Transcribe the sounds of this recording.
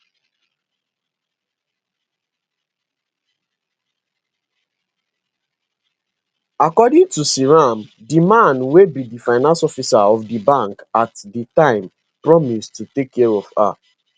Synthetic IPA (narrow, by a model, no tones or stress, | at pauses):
akɔdĩŋtusiɹam | dimãnwebidifaɪnãnsɔfisaɔvdibãŋkatditãɪ̃m | pɹɔmistutekʰːɛɹɔva̰